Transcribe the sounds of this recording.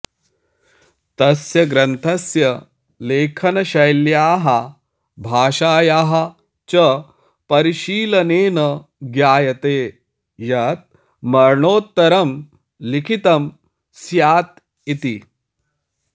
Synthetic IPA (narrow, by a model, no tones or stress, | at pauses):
t̪ɐsjɐɡɾɐnt̪ʰɐsjɐ | leːkʰɐnɐɕɐjljaːɦɐ | bʱaːʃaːjaːɦɐ | t͡ʃɐ | pɐɾiʃiːlɐneːnɐɡjaːjɐt̪eː | jɐt̪̚ | mɐɾɳoːt̪ːɐɾɐm | likʰit̪ɐm | sjaːt̪̚ | it̪i